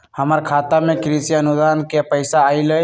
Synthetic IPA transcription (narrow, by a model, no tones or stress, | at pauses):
həməɾkʰat̪amẽkɾisiənud̪ankepəɪsaːilə